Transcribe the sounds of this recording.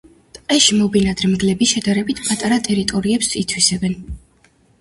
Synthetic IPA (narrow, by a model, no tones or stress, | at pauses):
t̪ʼqʼɛʃimɔbinad̪ɾmɡlɛbiʃɛd̪aɾɛbit̪ʰpʼat̪ʼaɾat̪ʼɛɾit̪ʼɔɾiɛpsit̪ʰwisɛbɛn